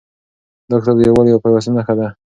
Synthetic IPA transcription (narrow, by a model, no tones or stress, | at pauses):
d̪ɔk̚t̪aɾd̪əjawaljawapawasənaxad̪a